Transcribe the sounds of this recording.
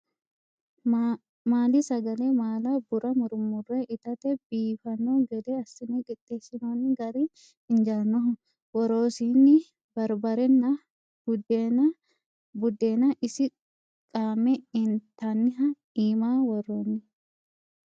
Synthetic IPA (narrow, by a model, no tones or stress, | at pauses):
maːlɪsɐɡɐleːmaːlabʊɾɐmʊɾʊmʊreʔɪt̪ɐt̪ɛbiːfɐnːoːɡɛd̪eːɐsːɪnːɪkʼɪt̪ːe̞ːsːɪnaːnːɪɡɐɾi | ɪnd͡ʒɐɾnɔɦɔ | wɔɾoːsiːnːɪ | bɐɾbɐɾɛnːɐ | b̥ʊd̪enɐ | bʊd̪ːeːnɐʔɪsɪ | kʼaːmɛɪnt̪ɐnːɪɦɐ | iːmaːwɔroːnːɪ